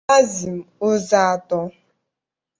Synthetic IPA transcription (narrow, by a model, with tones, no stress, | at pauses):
a˦zi˨m̩˨o˦za˦a˨tɔ˦